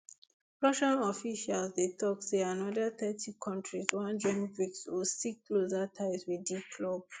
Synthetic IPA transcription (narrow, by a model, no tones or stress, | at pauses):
ɹɔʃanɔfiʃalsdetʰɔk̚seãnɔdaθɛtʰikʰɔ̃ntɹiswãnd͡ʒɔ̃ŋfiksɔsikklozatʰaɪswidikʰlɔb̚